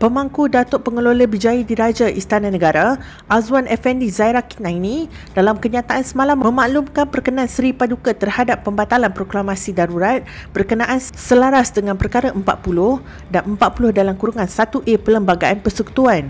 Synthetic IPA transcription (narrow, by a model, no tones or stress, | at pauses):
pəmãŋkudat̪ʊʔpəŋəloləbid͡ʒajidiɾad͡ʒaʔist̪ananəɡaɾa | ʔazwanɛfɛndizaiɾaki̥nainĩ | dalamkəɲãt̪aʔansəmalamməmaʔlumkanpərkənaansəɾipadukat̪ərhadapːəmbat̪alanpɾoklamasidaɾuɾat̪̚bərkənãʔansəlaɾasdəŋanpərkaɾaʔəmpa̰t̪̚pulʊh | danəmpat̪̚pulʊhdalamkuɾuŋãnsat̪uʔepələmbaɡaʔanpərsəku̥t̪uan